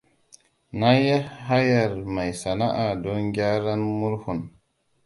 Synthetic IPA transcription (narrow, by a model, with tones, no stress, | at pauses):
na˦ja˦ha˦ja˨ɾma˨jsa˨na˦ʔa˨do˦ŋɡʲa˦ɾa˦nmu˦ɾhu˨n